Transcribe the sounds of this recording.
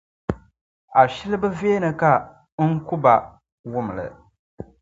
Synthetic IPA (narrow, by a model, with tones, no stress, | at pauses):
a˨ʃi˦lɨ˦bɨ˦veː˦nɨ˨ka˦ | ŋ̩˦ku˦ba˨ | wʊ˦m˨lɨ̰˨